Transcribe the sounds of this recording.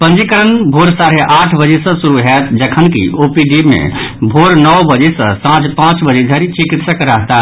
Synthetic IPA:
pənd͡ʒikəɾənbʱoɾsaɾeʔaʈʰbəd͡ʒesə̃suɾuɦɛt̪d͡ʒəkʰənkḭopiɖibmḛbʱoɾnəwbəd͡ʒesə̰̃sãt͡ʃpãt͡ʃbəd͡ʒed̪ʱəɾit͡ʃikit̪səkɾəɦt̪a

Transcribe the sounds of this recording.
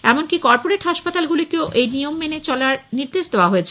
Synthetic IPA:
ɛmonkikɔɾpoɾeʈɦaʃpat̪alɡulokeoʔejnijomːenet͡ɕɔlaɾniɾd̪eʃd̪eoaɦoet͡ɕʰe

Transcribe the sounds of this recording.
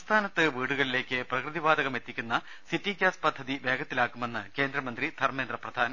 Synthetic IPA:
st̪ʰaːnɐt̪ːɨʋiːɽuɣɐɭile̞ːkːɨprɐkrɨðibaːd̪ɐɣɐme̞t̪ːikʲːunːɐ | sitːikʲjaːspɐd̪ʱːɐðibe̞ːɡɐt̪ːilaːkːume̞nːɨke̞ːnd̪ɾɐmɐnd̪rid̪ʰʱɐrmeːnd̪rɐprɐd̪ʱaːnɐ

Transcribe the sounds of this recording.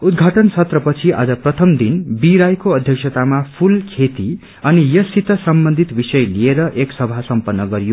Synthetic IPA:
ud̪ɡʱaʈʌnsʰʌt̪rʌpʌt͡sʰiʔa̰d͡zʌprʌt̪ʰʌmd̪inbiɾajkoʌd̪ʱjʌksʰʌt̪amapʰulkʰet̪i | ʌnijʌsit̪ʌsʌmbʌnd̪ʱit̪bisʌjlieɾʌʔeksʌbʱasʌmpʌnːʌɡʌɾijo

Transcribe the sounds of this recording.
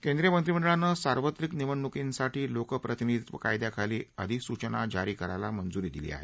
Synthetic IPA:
kẽnd̪ɾijəmənt̪ɾiməɳɖəɭanːəsaɾʋət̪ɾikniʋəɳːukinsaʈʰiːlokəpɾət̪inid̪ʱit̪ʋəkajd̪jakʰaliːəd̪ʱiksut͡ɕəna̰d͡ʑaɾiːkəɾajlamənd͡zuɾiːd̪ilḭːa̰ɦḛ

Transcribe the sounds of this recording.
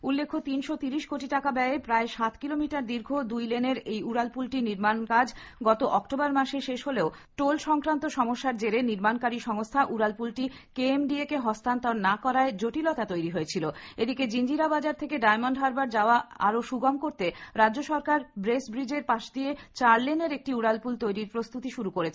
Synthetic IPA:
ulːekʰːot̪inʃot̪iɾiʃkoʈiʈakabɛepɾaeʃat̪kilomiʈaɾd̪iɾɡʱod̪ujleneɾejuɾalpulʈiniɾmankad͡ʑɡɔt̪oʔɔkʈobaɾmaʃeʃeʃɦoleoʈolʃɔŋkɾant̪oʃɔmoʃːaɾd͡ʑeɾeniɾmankaɾiʃɔŋost̪ʰaʔuɾalpulʈi | keemɖiekeɦɔst̪ʰant̪ɔnnakɔɾaed͡ʑoʈilɔt̪at̪ojɾiɦoet͡ɕʰiloed̪iked͡ʑind͡ʑiɾabad͡ʑaɾt̪ʰekeɖajmoɳɖɦaɾbaɾd͡ʑaoaa̰ɾoʃuɡamkoɾt̪eɾadːd͡ʑoʃɔɾkaɾbɾesbɾid͡ʑeɾpaʃd̪iet͡ɕaɾleneɾek̚ʈiuɽalpult̪ojɾiɾpɾost̪ut̪iʃuɾukoɾet͡ɕʰe

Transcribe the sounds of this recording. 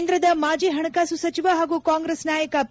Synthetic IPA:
nd̪ɾɐd̪ɐmaːd͡ʒiːɦɐɳɐkaːsusɐt͡ʃiʋaɦaːɡuːkaːŋɡɾeːsnaːjɐkɐp

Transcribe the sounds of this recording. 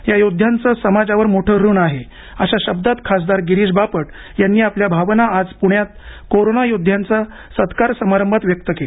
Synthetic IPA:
jajod̪ʱjant͡səsəmad͡zaʋəɾmoʈʰəːɾuːɳaɦe | əɕaɕəb̚d̪at̪kʰas̬d̪aɾɡiɾiːd͡zbapəʈ | janːiːapljabʱaʋnaːd͡zpuɳjat̪̚koɾonajod̪ʱjant͡sa | sət̪kaɾsəmaɾəmbʱat̪ʋjək̚t̪əkel

